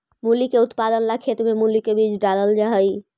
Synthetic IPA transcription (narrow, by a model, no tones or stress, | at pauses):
mulikeut̪pad̪ənlakʰet̪memulikebid͡ʒɖaləld͡ʒaɦəj